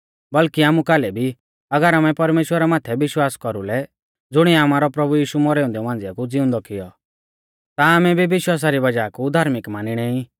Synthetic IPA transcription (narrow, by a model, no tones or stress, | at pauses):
bɐlkiaːmukaːlɛbʱi | ɐɡəɾaːmɛpɐɾmeːʃwəɾamãːt̪ʰɛbɪʃwaːskɔɾulɛ | d͡zʊɽ̃iaːmaːɾɔpɾɐbujiːʃumɔɾɛːʊ̃nd̪ɛʋãːnd͡zɪakud͡zɪʊ̃nd̪ɔkɪjɔ | t̪aːmɛbʱibɪʃwaːs̬aɾibɐd͡ʒaːkud̪ʱaːɾmɪkmaːniɽ̃ɛ̃ːĩ